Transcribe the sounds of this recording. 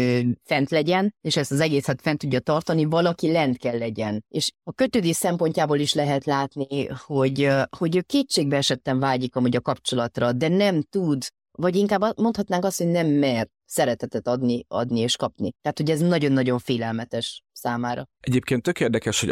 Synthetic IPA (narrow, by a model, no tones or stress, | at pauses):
øfɛnt̪lɛɟɛneːʃɛst̪ɒzɛɡeːsɛt̪fɛnt̪uɟːɒt̪ɒrt̪ɒnivɒlɒkilɛnt̪kɛlːɛɟɛneːʃɒkø̞t̪øːd̪eːsɛmpo̞ɲcaːboːliʃlɛɦɛt̪laːt̪niho̞ɟho̞ɟøːkeːt͡ʃːeːɡbɛɛʃɛt̪ːɛɱvaːɟikɒmuɟɒkɒpt͡ʃo̞lɒt̪rɒd̪ɛnɛmt̪ud̪ | vɒɟiŋkaːbːmont̪hɒt̪naːŋkɒst̪ho̞ɟnɛmːɛr | sɛɾɛt̪ɛt̪ɛt̪ɒd̪niɒ̰d̪nieːʃkɒpnit̪ɛaɦːt̪hoɟɛznɒɟo̞nːɒɟo̞ɱfeːlɛlmɛt̪ɛʃsaːmaːɾɒ̰ɛɟeːp̚keːnt̪ːøkeːrd̪ɛkɛʃho̰